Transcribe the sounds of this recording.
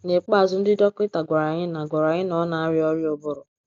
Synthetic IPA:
ne˨k͡pa˦˨zʊ˨n̩˦dɪ˦dɔ˦kʷɪ˦ta˨ɡʷa˨ɾa˨ɲɪ˦na˨ɡʷa˨ɾa˨ɲɪ˦nɔ˨˦na˨a˦ɾɪ˦ɔ˦ɾjo˦bʊ˦ɾʊ˨

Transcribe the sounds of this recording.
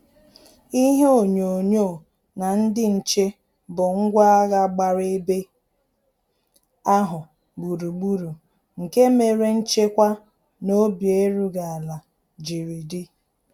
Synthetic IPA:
i˦ɦe˦o˨ɲo˨ɲo˦˨ | na˨n̩˦dɪ˦n̩˨t͡ʃe˦ | bʊ˨ŋ̩˦ɡʷa˦a˦ɣa˨ɡ͡ba˨ɾe˦be˦ | a˦ɦʊ˨ | ɡ͡bu˨ɾu˨ɡ͡bu˦ɾu˨ | ŋ̩˨ke˦me˨ɾe˦n̩˦t͡ʃe˦kʷa˦ | no˦bje˦ɾu˦ɡa˨a˨la˨ | d͡ʒi˨ɾi˨dɪ˦

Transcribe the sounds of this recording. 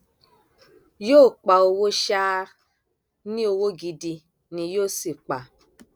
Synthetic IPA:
joː˦˨k͡pa˨o˧wo˦ʃa˦ | nĩ˦o˧wo˦ɡi˧di˧ | nĩ˧joː˦˨si˨k͡pa˨

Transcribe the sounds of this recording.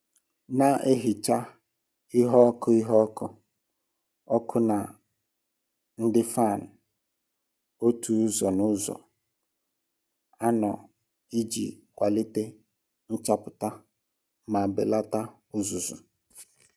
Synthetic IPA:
na˨ʔe˦ɦi˨t͡ʃa˦ | i˦ɦɔ˦kʰɔ˦i˦ɦɔ˦kʰɔ˦ | ɔ˦kʰʊ˦na˨ | n̩˦dɪ˦fa˦˨n˨ | o˦tʰu˦zɔ˨nʊ̃˦zɔ̰˨ | a˦nɔ̰˨ | i˦d͡ʒḭ˨kʷa˨lɪ˦te˦ | n̩˦t͡ʃa˦pʊ˨ta˦ | mã˨bḛ˨la˦ta˦ | ʊ˦zʊ˨zʊ̰˨

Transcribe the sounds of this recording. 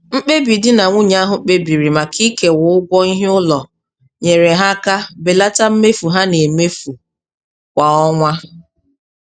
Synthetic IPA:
ŋ͡m̩˦k͡pe˦bi˨dɪ˦na˨ŋʷu˦ɲa˦ɦʊ˨k͡pe˦bi˨ɾi˨ma˨kʰi˦ke˨wʊ˨ʊ˦ɡʷɔ˦i˦ɦe˦ʊ˦lɔ˨ | ɲe˨ɾe˨ɦa˦ka˦be˨la˦ta˦m̩˦me˦fu˨ɦa˦ne˨me˦fu˨ | kʷa˨ɔ˦ŋʷa˦

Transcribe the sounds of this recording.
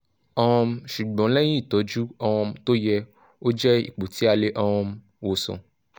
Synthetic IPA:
ɔ˦ɔ̃˧ʃu˨ɡ͡bɔ̃˨˦lɛ˦j̃ĩ˦i˦˨tɔ˨˦d͡ʒu˦ɔ˧ɔ̃˧to˦jɛ˧ | o˦d͡ʒɛ˦ḭ˦˨k͡po˨tʰi˨˦a˧le˦ʔɔ˧wɔ̃˧ | wo˨sɔ̰̃˨

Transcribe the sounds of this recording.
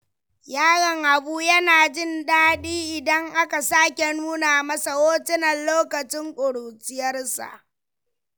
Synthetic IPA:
jaː˦ɽɐ˨ŋʔa˨buː˦jɐ˦naː˨d͡ʒɪ˦ndaː˦ɗiː˦ʔɪ˨dɐ˦ŋʔa˦ka˨saː˦kʲe˨nuː˦naː˨mɐ˦sa˨woː˦tɪ˦nɐ˨nloː˦kɐ˨t͡ʃɪ˦ŋkʷʼʊ˨ɽuː˨t͡ʃɪ˦jɐ˦rsa̰˨ʔ

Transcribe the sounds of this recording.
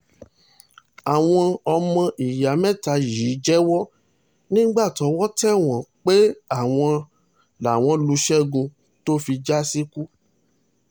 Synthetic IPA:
a˨w̃ɔ̃˧ɔ˧mɔ̃˧ʔi˨ja˨˦mɛ̃˦˨ta˧ji˨˦d͡ʒɛ˦wɔ˦ | nĩ˦ɡ͡ba˦˨tɔ˨˧˦wɔ˦tɛ˦˨w̃ɔ̃˨k͡pe˦a˦˨w̃ɔ̃˧ | la˨w̃ɔ̃˨˧lu˧˦ʃɛ˦ɡũ˧ | to˦fi˧d͡ʒa˦si˦ku˦

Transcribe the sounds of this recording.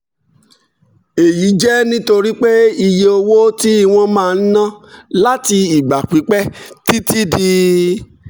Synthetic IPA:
e˨ji˨˦d͡ʒɛ˦nĩ˦to˧ɾi˦k͡pe˦i˧je˧o˧wo˦ti˦i˧w̃ɔ̃˧mãː˦˧n̩˦nã˦la˦ti˧i˨ɡ͡ba˨k͡pi˨˦k͡pɛ˦ti˦ti˦di˧

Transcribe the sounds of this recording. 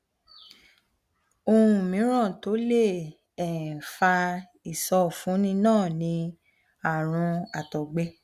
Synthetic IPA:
o˧ũ˧˨mĩ˨˦ɾ̃ã˦˨to˨˦le˦˨ | ɛ˨fa˧ | i˨sɔ˧˦˨fũ˨˦nĩ˧˦nãː˦˨nĩ˧ | a˨ɾ̃ũ˧a˨tɔ˨ɡ͡be˧

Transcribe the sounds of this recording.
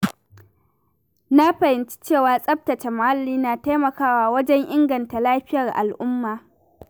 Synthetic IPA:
na˦ɸɐ˨hɪ˨nt͡ʃi̥˦t͡ʃeː˦˨waː˨sʼɐ˦p̚tɐ˨t͡ʃe˨mʊ˨ha˦lːiː˦naː˨ta˦mɐ˨kaː˦waː˨wɐ˦d͡ʒɛ˦ŋʔɪ˦ŋɡɐ˨nta˨laː˦ɸɪ˦jɐ˨rʔa̰˨lʔʊ˦mːaː˨

